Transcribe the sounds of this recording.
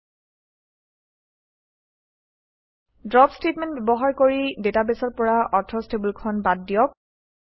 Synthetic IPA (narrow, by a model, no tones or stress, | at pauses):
dɹɔpstetmɛ̃nt̚bjɛbɔɦaɹkoɹidetabesɔɹpɔɹaʔɔtʰɹɔstebulkʰɔnbat̚ːijɔk̚